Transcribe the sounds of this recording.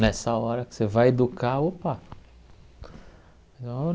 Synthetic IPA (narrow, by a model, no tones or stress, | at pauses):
nɛsɐɔɾɐkɪ̥sevajed̪ukʰaopa | t̪ɐ̃e